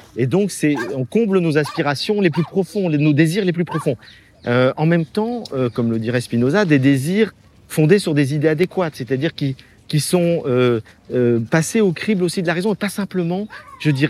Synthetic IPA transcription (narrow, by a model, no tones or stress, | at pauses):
ed̪ɔ̃ksɛɔ̃kɔ̃blənozaspiʁasjɔ̃leplypχɔfɔ̃enod̪eziʁleplypχɔfɔ̃ | øɑ̃mɛmt̪ɑ̃økɔmləd̪iʁɛspinozad̪ed̪eziʁ | fɔ̃d̪esyʁd̪ezid̪ead̪ekwat̪set̪ad̪iʁkʲi | kʲisɔ̃øøpaseokχiblosid̪əlaʁezɔ̃epasɛ̃pləmɑ̃ʒ̥əd̪iʁ